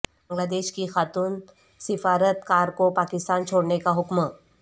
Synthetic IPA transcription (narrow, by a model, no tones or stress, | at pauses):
bə̃ŋɡlaːd̪eʃkixat̪uːn | sɪfaɾət̪kaɾkopakɪst̪aːnt͡ʃʰoɽnekaɦʊkmə